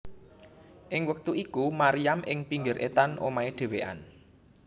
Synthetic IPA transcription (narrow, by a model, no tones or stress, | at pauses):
ʔɪŋwək̚t̪uikumaɾijamʔɪŋpiŋɡɪɾʔḛt̪anʔo̰maeɖ̪̥e̤weʔa̰n